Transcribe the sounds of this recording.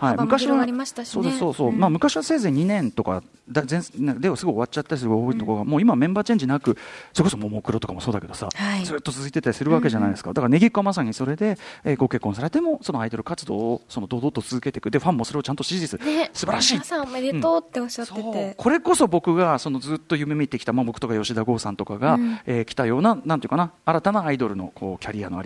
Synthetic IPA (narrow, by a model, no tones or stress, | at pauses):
haimɯ̟kaɕiβaɾiaɕt̪aɕsoːd̪sso̞ːso̞ːmaːmɯ̟kaɕiβase̞ːzeɲ̟inẽ̞nt̪o̞ka̰ | d̪azẽned̪esɨɡo̞ioat͡ɕat̪ːaɾisɨɯɡooit̪o̞koɡamo̞ːimamẽ̞mbaːt͡ɕẽɲ̟d͡ʑinakɯ̟soɾekosomomokɯ̟ɾo̞t̪o̞kamoso̞ːd̪ake̞d̪o̞sa̰azɨːt̪ːo̞t͡sɨzɨit̪e̞t̪aɾisɨɾɯ̟βake̞ʑanaid̪esɨ̥ka̰d̪akaɾane̞ɡʲikːamas̬aɲ̟iso̞ɾe̞d̪e̞eːɡo̞ke̞kːõ̞s̬aɾe̞t̪e̞mo̞so̞no̞aid̪o̞ɾɯ̟kat͡sɨd̪o̞̰ːso̞no̞d̪o̞ːd̪ot̪ːot͡sɨzɨke̞t̪e̞̥kɯ̟d̪e̞ɸãmːo̞so̞ɾeot͡ɕãnt̪oɕizit͡sɨsɨbaɾaɕiːameɾiɯ̃ot̪ːeoɕatsekʰo̞ɾe̞ko̞so̞bo̞kɯ̟ɡaso̞no̞zɨːt̪ːo̞jɯ̟memʲit̪ːe̞kʲi̥t̪amabo̞kɯ̥t̪o̞kajo̞ɕid̪aɡo̞ːsãnt̪o̞kaɡaeːkʲi̥t̪ajo̞ːnanant̪i̟kanaːɾat̪anaːid̪o̞ɾɯ̟no̞̰kʰo̞ːkʲaɾʲia̰noa̰ɾi